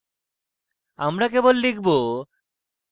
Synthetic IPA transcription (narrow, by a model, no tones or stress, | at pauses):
amɾakebolːik̚ʰbo